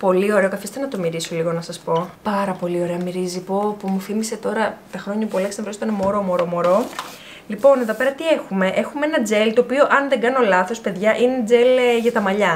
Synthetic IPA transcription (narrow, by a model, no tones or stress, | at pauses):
po̞lio̞ɾe̞okɐfist̪e̞nɐt̪o̞miɾiso̞liɣo̞nɐsɐspo̞pɐɾɐpo̞lio̞ɾe̞ɐmiɾizipo̞pumufimise̞t̪o̞ɾɐt̪ɐxɾo̞ɲɐpuɐlɐksnɐvɾoist̪oinemo̞ɾo̞mo̞ɾo̞mo̞ɾo̞ | lipo̞ne̞ðo̞peɾɐt̪iexume̞ʔe̞xumeenɐd͡ze̞lt̪o̞ːpio̞ʔɐnðe̞ŋɡɐno̞lɐθo̞spe̞ðʝɐʔined͡zelʝɐt̪ɐmɐʎɐ